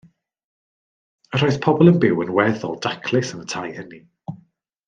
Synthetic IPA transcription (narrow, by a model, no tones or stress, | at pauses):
əɾɔɨθpʰɔbɔlˠənbɪwənwɛðɔ̰lˠdakʰlˠɪsənətʰajhəni